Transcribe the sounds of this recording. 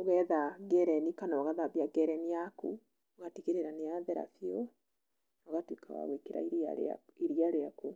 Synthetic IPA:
oɣɛðaɡɛɾɛnikanaɔɣaðaβjaɡɛɾɛnijaku | oɣatikeɾeɾaneaðɛɾa̰fjɔ | noɣatwika̰wa̰ɣwekeɾa̰iɾa̰iɾiaɾeaku

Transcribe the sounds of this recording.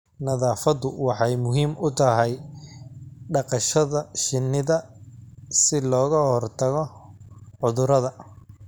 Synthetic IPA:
nɐðaːfɐðʊwɑħɑjmʊɦiːmʊt̪ʰɐɦɛj | ɖɑqɑʃɐðɐʃɪnːɪðɐ | sɪlɔːɣɐhɔrt̪ʰɐɣɔ | ʕʊðʊɾɐðɐ

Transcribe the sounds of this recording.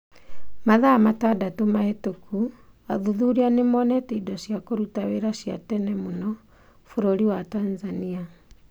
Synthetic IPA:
maðaːmatadatomahetokʰu | aðuðuɾianemɔnɛtiidɔsjakoɾutaweɾaʃja̰tɛnɛmonɔ | foɾoɾiwatanzania

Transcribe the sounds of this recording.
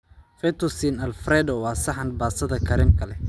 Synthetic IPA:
fɛt̪ʰɔsinɐlfɾɛːd̪ɔwɑːsɐħɑnbaːsɐðɐkʰɐɾɪmkʰɐlɛ

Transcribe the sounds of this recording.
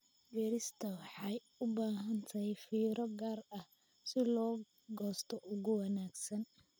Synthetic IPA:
biːɾɪst̪ʰɐwɑħɑj | ʊbaːɦɐnt̪ʰɐjfiːɾɔɡaːrɐh | sɪlɔː | ɡɔːst̪ʰɔʔʊɣʊwɑnaːɡsɐn

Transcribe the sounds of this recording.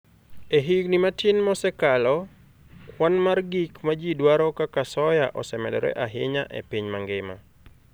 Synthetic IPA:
eɦiɡnimatɪnmɔsɛkalɔ | kwanmarɡikmad͡ʒidwaɾɔkakasɔjaʔɔsɛmɛdɔɾɛ̰ʔaɦɪɲaʔḛpiɲmaŋɡɪma̰

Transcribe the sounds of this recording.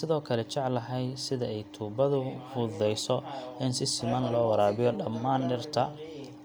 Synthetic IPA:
sɪðɔːkʰɐlɛt͡ʃɛʕlɐɦɛjsɪðɐɛjt̪ʰuːbɐðʊfuːðɛjsɔɪnsɪsɪmɐnlɔːwɑɾaːβɪjɔɖɐmːaːnɖɪrt̪ʰɐ

